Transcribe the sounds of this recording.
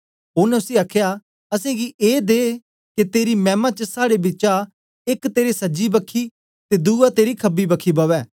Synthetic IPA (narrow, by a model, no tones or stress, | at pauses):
onɛʊsiaːkʰja | ɐsẽːɡiʔeːd̪eː | ket̪eːɾimɛːmat͡ʃəsaːɽebɪt͡ʃa | ɪkt̪eːɾesɐd͡ʒibəkʰːiː | t̪ed̪uːat̪eːɾikʰɐbibɐkʰiːbɐʋɛː